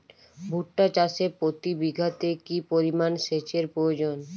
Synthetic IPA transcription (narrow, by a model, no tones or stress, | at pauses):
bʱuʈːat͡ɕaʃepɾot̪ibiɡʱat̪ekipoɾimanʃet͡ɕeɾpɾood͡ʑon